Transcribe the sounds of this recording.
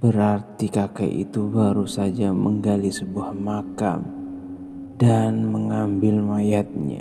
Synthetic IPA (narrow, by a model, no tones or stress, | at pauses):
b̥əɾart̪ikaka̰jʔḭt̪ubaɾusad͡ʒaməŋɡalisəbuahmaka̰m | danməŋambɪlmajat̪̚ɲa̰